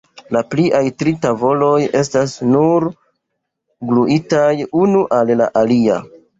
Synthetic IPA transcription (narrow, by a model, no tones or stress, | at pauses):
lapliʔajtɾitavo̞lo̞je̞s̬tasnuɾ | ɡluʔitajunuʔalla̰ʔalia̰